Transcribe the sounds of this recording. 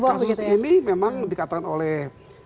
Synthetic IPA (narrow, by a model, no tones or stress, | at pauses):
kasʊsinimemaŋdikat̪aanolɛh